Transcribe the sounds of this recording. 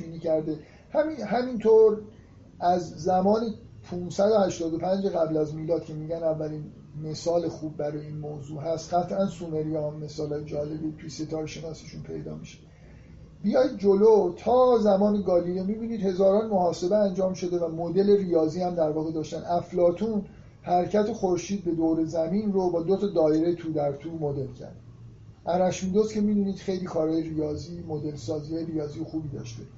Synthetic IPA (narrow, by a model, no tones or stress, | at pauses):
iːniːkcæɾd̪e | hæmiɦæmint̪ʰoɾ | ʔæzːæmɒːni | pʰuːnsæd̪ohæʃt̪ɒːd̪opʰænd͡ʒeɣæblæzmiːlɒːd̪̥̚cʰe̞miːɟænævːæliːn | me̞sɒːle̞xuːb̚ːæɾɒːjeiːnmoːzuːɦæst̪ɢæt̪ʰʔænsuːme̞ɾijɒːmːe̞sɒːlɒːjed͡ʒɒːle̞bit̪ʰujese̞t̪ʰɒːɾeʃe̞nɒːsiʃuːnpʰe̞̰jd̪ɒ̰ːmiʃe̥ | b̥ijɒːjd̪̚d͡ʒolot̪ʰɒːzæmɒːneɡɒːlilemiːbiːniːd̪he̞zɒːɾɒːnmohɒːse̞beænd͡ʒɒːmʃo̞d̪e̞væmod̪e̞le̞rijɒːziːhæmd̪æɾvɒːɣe̞d̪ɒːʃt̪ænʔæflɒːt̪ʰuːn | hæɾcʰæt̪ʰexoɾʃiːd̪̚be̞d̪oːwɾe̞zæmiːnrobɒːd̪ot̪ʰɒd̪ɒːeɾet̪ʰuːd̪æɾt̪ʰuːmod̪e̞lcʰæ̰ɾd̪ | ʔæɾæʃmid̪ozcʰe̞miːbiːniːd̪̥xe̞jliːkʰɒːɾɒːjeɾijɒːziːmod̪e̞lsɒːzieɾijɒːziːjexuːbiːd̪ɒ̰ːʃt̪e̞